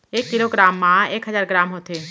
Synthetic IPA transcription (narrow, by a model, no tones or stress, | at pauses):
eːkːɪloːɡɾaːmːãeːkɦəzaːɾɡɾaːmɦoːt̪e